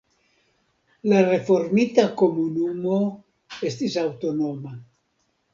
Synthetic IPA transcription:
larefoɾmit̪akomunumo | est̪izawt̪onoma

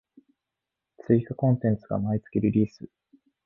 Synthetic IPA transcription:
t͡sɨikakõ̞nt̪ẽnt͡sɨɡa̰mait͡sɨ̥kʲiɾʲiɾʲiːsɨ

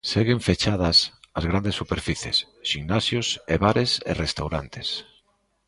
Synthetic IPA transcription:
seɣeɱfet͡ʃaðɐsɐzɣɾand̪esːupeɾfiθjḛs | ʃiŋnasjoseβaɾesḛrest̪awɾant̪e̥s

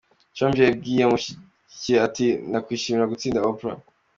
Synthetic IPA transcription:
t͡ʃombeb̚ɡiːjemuʃi | ceatinakwiːʃimiɾaɡut͡siːndaopɾa̰

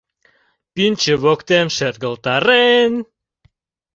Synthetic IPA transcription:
pint͡ɕəβokt̪emʃerɣə̆lt̪ɑɾen

